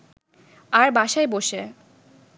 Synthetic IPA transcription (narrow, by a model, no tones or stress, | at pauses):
aɾbaʃaeboʃe